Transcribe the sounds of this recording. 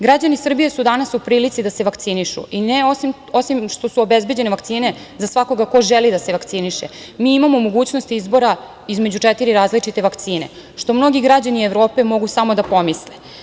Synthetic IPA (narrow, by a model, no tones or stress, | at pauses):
ɡɾad͡ʑanisr̩bijesud̪anasupɾiːlit̪sid̪ase̞ʋakt̪siniʃṵineosim | o̞simʃt̪o̞suobe̞zbe̞d͡ʑe̞neʋakt̪siːne̞ | zasʋako̞ɡako̞ʒelid̪ase̞ʋakt̪siniʃḛ | miimamo̞mo̞ɡuːt͡ɕno̞st̪iizbo̞ɾa | izme̞d͡ʑut͡ʂet̪iɾiɾaːzlit͡ʂit̪e̞ʋakt̪siːne̞̰ | ʃt̪o̞mno̞ɡiɡɾad͡ʑanieʋɾo̞ːpe̞mo̞ɡusamo̞d̪apo̞misle